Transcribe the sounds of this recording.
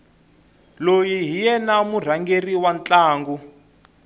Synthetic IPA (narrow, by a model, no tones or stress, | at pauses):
lojiɦijɛnamur̤aŋɡeriwant͡ɬʼaːŋɡu